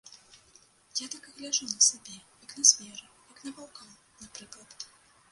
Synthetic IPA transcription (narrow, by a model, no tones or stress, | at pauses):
jat̪akɐɣlʲaʐunɐsabʲɛjɐknɐsmʲɛɾɨjɐknɐbalˠkɔn | napɾɨklˠɐt̪